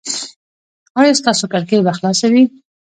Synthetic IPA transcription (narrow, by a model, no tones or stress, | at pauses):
wajast̪ɑsokaɾkebaxlɑsawi